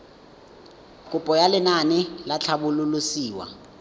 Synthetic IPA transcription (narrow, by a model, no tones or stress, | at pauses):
kʼupʼɔjalɪnanɪlat͡ɬʰabululusiːwa̰